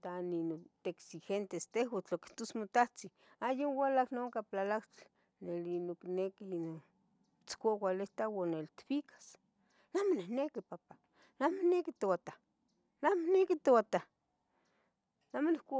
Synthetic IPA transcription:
t̪aninot̪eksixent̪est̪ehwat͡ɬoki̥ht̪osmot̪aht͡si | ajonwalaknoŋkaplalakt͡ɬ | nelinoknekino | t͡skʷakʷalet̪awanelt̪fikʰḁs | namonehnekipapa | namonekit̪owat̪a | namonekit̪ewat̪a | namonihkʷa

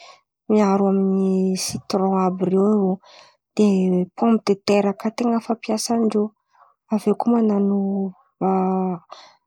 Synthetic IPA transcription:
miaɾuaminisit̪ɾɔ̃abiɾewio | d̪̥epɔ̃mbid̪et̪eɾakat̪eŋəfapjasanɖ͡ʐe | avekumananu | a

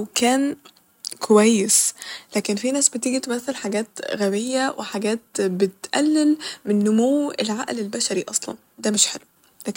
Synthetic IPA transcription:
wkʰæːn | kʰowæjːeslæːkenfinæːsbet̪iːɡit̪emæθːelħaɡæːt̪ɣæwejːæwʔeħaɡæːt̪̚bet̪ʔælːelmenːomowːḛlʕaʔlelbæʃæɾiʔɑsˤlɑ̰n | d̪æmeʃħelu | læː

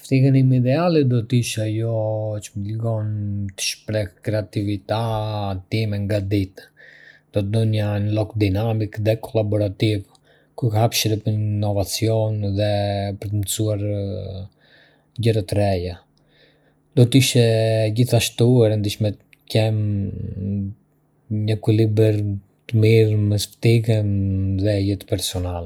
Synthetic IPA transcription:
ft̪ihənimid̪ɛalid̪ɔt̪iʃajɔt͡ʃəmləɡɔnt̪ə̥ʃpɾɛhkɾɛat̪ivit̪at̪imɛŋɡad̪it̪ | d̪̥ɔt̪d̪ɔnjanlɔkd̪inamikðɛkʰɔlabɔɾat̪iv | kukhapʃɾɛpnːɔvat͡siɔnðɛpəɾt̪ənsuaɾ | ɟəɾat̪ɾɛja | d̪ɔt̪iʃɛɟiθaʃt̪uɛɾɛnd̪it͡ʃmɛt̪ | kɛm | ɲəkulibəɾ | t̪əmiɾmɛsft̪iɡɛnðɛjɛt̪pɛɾsɔnalɛ

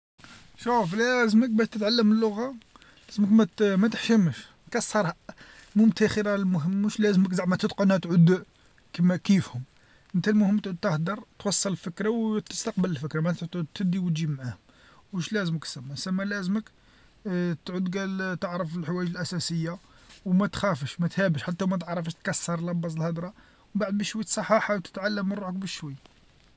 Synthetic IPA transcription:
ʃuflæzmək̚bæʃt̪ət̪ʕalːəməlːʊɣa | læzəməkmæmæt̪əħʃəməʃ | kɑsˤːɑɾˤhæmʊmt̪ʰæxəɾælmʊɦəmːəʃlæzməkzaʕmæt̪əd̪qonhæt̪ʕʊd̪ | kmækifhʊm | ʔənt̪ælmʊhəmːt̪ʕud̪̚t̪əhd̪ɑɾˤt̪wɑsˤːɑləlfəkɾawt̪ə̥st̪ɑq̚bələlfəkɾamʕæʕt̪t̪ʕud̪̚t̪ːəd̪iwət̪ʒibmʕahʊm | muʃlæzəməksæmːæsæmːælæzmək | t̪ʕʊd̪ɡælt̪əʕɾəfəlħwæjəʒəlʔæsæsəjːa | wmæt̪xæfəʃmæt̪hæbəʃħat̪ːæmæt̪̬əʕɾˤɑfəʃt̪kæsːɑɾˤlɑbːɑs̬ˤlhɑd̪ɾˤɑ | baʕəd̪bæʃwijt̪sˤɑħɑħɑwt̪ə̥t̪ʕalːəmːənɾuħək̚bəʃːwæjː

